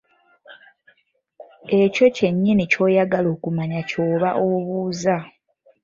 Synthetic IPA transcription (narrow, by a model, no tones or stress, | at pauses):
e̞co̞ce̞ɲːinico̞ːjaɡalo̞ːkumaɲaco̞ːβaʔo̞βuːza